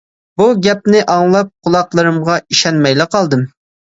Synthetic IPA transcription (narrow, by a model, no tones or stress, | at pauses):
b̥uɡʲɛp̚nɪʔɑŋlˠɑp̚qʰʊlˠɑqlˠɨɾɨmʁɑiʃɛnmɛjlɪqʰɑlˠd̪ɨm